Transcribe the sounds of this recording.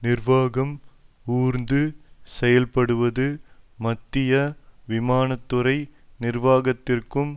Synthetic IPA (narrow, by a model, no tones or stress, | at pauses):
nɪrʋaːɣɐm | uːɾnd̪ɯsɛjɐlpɐɽɯʋɐðɯmɐt̪ːɪjɐʋɪmaːnɐt̪ːɯɾɐɪnɪrʋaːɣɐt̪ːɪrkɯm